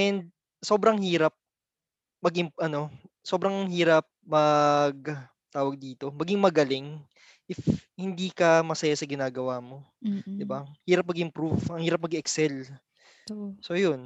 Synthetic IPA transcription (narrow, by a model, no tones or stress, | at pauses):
ʔɛnd̪̚ | so̞ːbɾɐŋhiːɾɐp̚ | mɐɡʔɪmʔɐno̞so̞ːbɾɐŋhiːɾɐp̚mɐɡ̚ | t̪aːwɐɡ̚d̪iːt̪o̞mɐɡiŋmɐɡɐlɪŋ | ʔɪfhɪnd̪iːkɐmɐsɐjasɐɡɪnaːɡɐwaːmo̞d̪ɪbahiːɾɐp̚mɐɡɪmpɾuvʔɐŋhiːɾɐp̚mɐɡɛksɛl | so̞jon